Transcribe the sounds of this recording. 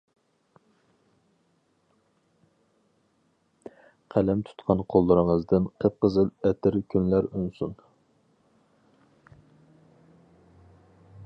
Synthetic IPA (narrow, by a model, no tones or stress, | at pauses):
qʰælɛmt̪ʰu̥t̪qʰɑnqʰolˠːɨɾɨŋəzd̪ɨnqʰəp̚qəzɨlˠɛt̪ʰɪɾkʲʰynlæɾynsun